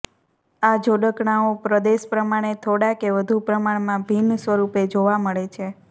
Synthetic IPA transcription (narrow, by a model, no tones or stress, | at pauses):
ad͡ʒoɖəkɳaopɾəd̪eʃpɾəmaɽ̃et̪ʰoɽakeʋəd̪ʱupɾəmaɽmãbʱinsʋəɾuped͡ʒoʋaməɭet͡ʃʰe